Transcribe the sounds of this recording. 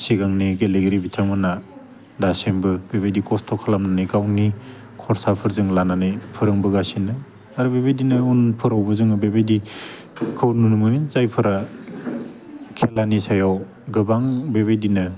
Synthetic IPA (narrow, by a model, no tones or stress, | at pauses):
siɡaŋniɡeleɡeɾibitʰamɯna | dasembɯbebejdikɔstʰɔkʰalamnanɯɡawni | kʰɔɾsapʰɯɾzɯŋlananɯjpʰɯɾɯŋbɯɡasinɯ | aɾɯbebejdinɯunpʰɯɾawbɯzɯŋbebedi | kʰɯwnunumɯnizajpʰɯɾa | kʰelanisajaw | ɡɯbaŋbebedinɯ